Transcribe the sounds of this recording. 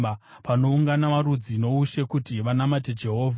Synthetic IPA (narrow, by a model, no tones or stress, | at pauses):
pano̞uŋɡanaʋaɾud͡zino̞uʃe̞kutiʋanamat̬ed͡ʒe̞ɦo̞ːvʱa